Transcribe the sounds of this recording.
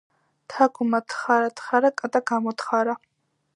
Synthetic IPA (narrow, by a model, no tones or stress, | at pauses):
t̪ʰaɡumat̪ʰχaɾat̪ʰʼχaɾakʼat̪ʼaɡamɔt̪χaɾa